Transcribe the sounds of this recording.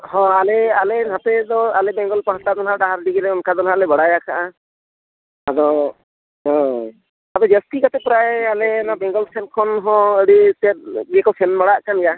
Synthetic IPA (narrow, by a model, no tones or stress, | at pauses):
hɔ̃alealɛnãp̪ɛd̪ɔalɛbɛŋɡɔlpɔɦat̪ad̪ɔnɦaʈaɦaɾɖiɡɛlɛɔnkad̪ɔnɦalɛbɔɽajakʰaʔa | adɔ | ɦɔ̃ | abɔd͡ʒɛstikat̪ɛpɔɾajalɛnabɛŋɡɔlsʰɛnkʰɔnɦɔ̃eɽiset̪̚ɡɛkɔsʰɛnmɔɽaʔkanɛja